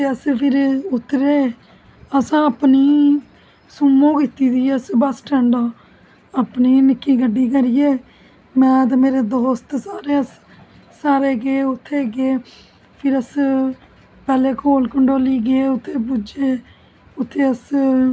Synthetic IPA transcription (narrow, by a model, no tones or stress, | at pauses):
eːəspʰɪɾʊt̪ːɾeː | əsãːəpniː | sʊmõːkit̪iːd̪iːəsbəsʈɛɳɖaː | apniːnɪkːiːɡəɖːiːkəɾɪjeː | mɛ̃ːt̪̬ːmeːɾeːd̪oːst̪saːɾeːəs | saːɾeːɡeeːʊt̪ʰːeːɡeː | pʰɪɾəs | pɛːleːkʰoːlkəɳɖoːliːɡeːʊt̪ʰːeːpud͡ʒeː | ʊt̪ʰːeːəs